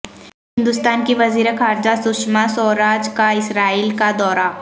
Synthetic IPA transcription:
ɦɦɪ̃nd̪ʊst̪aːnkeʋɐziːɾexaːɾd͡ʒasʊʃmasɔːɾaːd͡ʒkaɪsɾaːiːlkad̪ɔːɾa

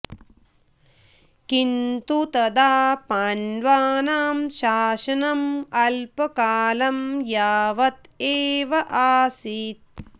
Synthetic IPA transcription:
kint̪ut̪ɐd̪aːpaːnʋaːnaːmʃaːʃɐnɐmɐlpɐkaːlɐmjaːʋɐt̪eːʋɐʔaːsiːt̪̚

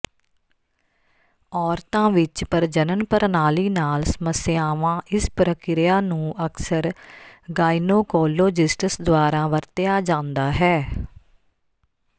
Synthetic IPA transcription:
ɔːɾt̪ãːʋɪt͡ʃpəɾd͡ʒənənpəɾnaːliːnaːlsəməsɪjaːʋãːʔɪspɾəkɪɾɪjaːnũːʔəksəɾɡaːinoːkɔːlːoːd͡ʒɪsʈɪsd̪ʊaːɾãːʋəɾt̪ɪjaːd͡ʒãːnd̪aːɦɛː

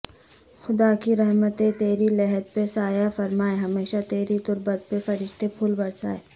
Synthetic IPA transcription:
xʊd̪aːkiɾɛɦmət̪ẽt̪eːɾilɛɦɛd̪̚pesaːjafɐɾmaːeɦɐmeːʃat̪eːɾit̪ʊɾbət̪̚pefɐɾɪʃt̪epʰʊlbɐɽsa̰ːe

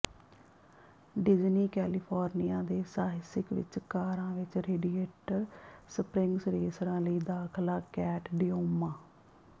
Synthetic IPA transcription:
ɖɪd͡ʒniːkɛːlɪpʰɔːɾnijãːd̪eːsaːɦɪsɪkʋɪ̰t͡ʃkaːɾãːʋɪt͡ʃɾeːɖieːʈsəpɾɪŋɡsɾeːsəɾãːləiːd̪aːkʰlaːkɛːʈʰɖɪjoːmãː

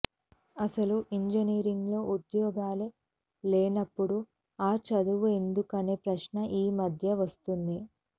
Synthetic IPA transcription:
ɐsɐluʔiɲd͡ʒɐniːɾiŋɡlo̞ːud̪jɔːɡaːle | leːnɐpːuɽu | aːt͡ʃɐd̪uʋue̞nd̪ukɐne̞ːpɾɐʃɳɐʔiːmɐd̪ʱjɐʋɐst̪und̪i

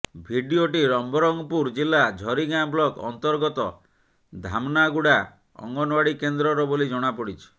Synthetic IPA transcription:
bʱiɖioʈiɾɔmbɔɾɔŋɡɔpuɾd͡ʒilːad͡ʒʱɔɾiɡablɔkɔ̰nt̪ɔɾɡɔt̪ɔ | d̪ʱamnaɡuɽa | ɔ̰ŋɡɔnwaɽikend̪ɾɔɾɔbolid͡ʒɔɽ̃apɔɽit͡ʃʰi̥

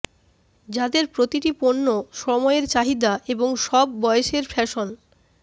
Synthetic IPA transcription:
d͡ʑad̪eɾpɾot̪iʈiponːoʃɔmɔeɾt͡ɕaɦid̪aʔeboŋʃɔb̚ːɔeʃeɾfɛʃon

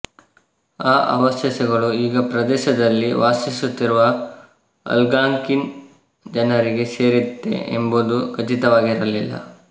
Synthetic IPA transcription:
aːʔɐʋɐsjɐsɐɡɐɭuiːɡɐpɾɐd̪ɛːʃɐd̪ɐlːiʋaːsisut̪ːiɾuʋɐ | ɐ̰lɡaːŋkin | d͡ʒɐnɐɾiɡe̞se̞ːɾit̪ːḛʔḛmboːd̪uɡɐt͡ʃit̪ɐʋaːɡiɾɐlilːɐ̰

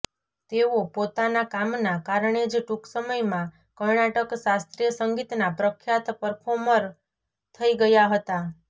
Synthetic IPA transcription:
t̪eopot̪anakamnakaɾɳed͡ʒʈuksəməjmã | kəɾɳaʈəksast̪ɾijəsəŋɡit̪napɾəkʰjat̪pəɾpʰoməɾ | t̪ʰəiɡəjaɦət̪a

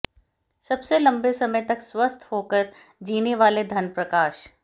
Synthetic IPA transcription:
sɐbselɐ̃mbesɐməjt̪ɐkswɐst̪ʰɦoːkɐɾ | d͡ʒiːneʋaːled̪ʱɐnpɾɐkaːʃ

